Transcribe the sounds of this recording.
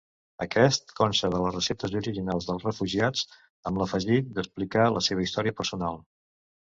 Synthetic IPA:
əkɛst̪̚kɔnst̪əðələzrəsɛt̪əzuɾiʒinalˠzðəlˠrəfuʒiad͡z | əmləfəʒit̪̚d̪əsplikaləseβəist̪ɔɾiəpəɾsunalˠ

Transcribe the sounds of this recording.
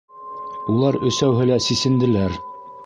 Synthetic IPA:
ulˠɑɾɵ̆sæwɦɘ̆læsisɘ̆nd̪ɘ̆læɾ

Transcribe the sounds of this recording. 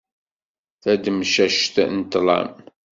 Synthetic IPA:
θæd̪mʃæʃt̪nt̪lˤɑ̰m

